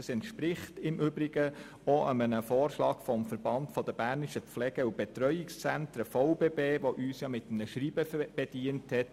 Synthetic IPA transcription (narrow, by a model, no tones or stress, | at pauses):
əsɛntʃpɾɪχtɪmʔʏbɾɪɡə | ɔʔəmənəfoːrʃlɑːɡ̥fɔmfəɾbɑntfɔd̥̪əbæːɾniʃəflɛɡ̥əub̥ɛt̪ɾœʏɪkst͡sæntɾəfɔʊbeːbeːʋoʔyːsjɑːmɪtəm̩nəʃriːbəb̥ɛd̥iənthɛt